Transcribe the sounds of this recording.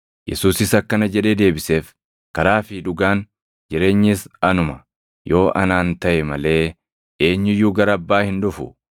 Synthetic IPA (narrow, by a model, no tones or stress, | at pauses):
jɛ̰suːsɪsɐkːɐnɐd͡ʒɛᶑe̞ːd̪e̞ːbɪse̞ːf | kɐɾaːfɪᶑʊɡaːn | d͡ʒɪɾe̞ːɲːɪsɐnʊmɐ | jo̞ːʔɐnaːnt̪ɐʔɛmɐle̞ː | eːɲːɪjːuːɡɐɾɐːbːaːhɪnᶑʊfʊ̰